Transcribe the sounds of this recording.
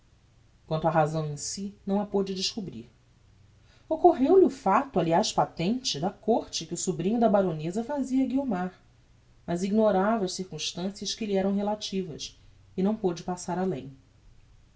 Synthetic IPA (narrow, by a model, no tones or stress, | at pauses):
kwɐ̃nt̪ʊɐɦazɐ̃w̃ẽsinɐ̃w̃ɐpod͡ʒɪd͡ʒɪʃkubɾḭɾ | okoɦewliʊfat̪ʊaliajʃpat̪ẽnt͡ʃɪd̪ɐkoɾt͡ʃɪkɪʊsubɾĩɲʊd̪ɐbaɾonezɐfaziɐɡiomaɾ | mɐziɡnoɾavɐʃsiɾkũʃt̪ɐ̃siɐʃkɪliɛɾɐ̃w̃ɦelat͡ʃivɐ̰s | ɪnɐ̃w̃pod͡ʒɪpasaɾalẽj̃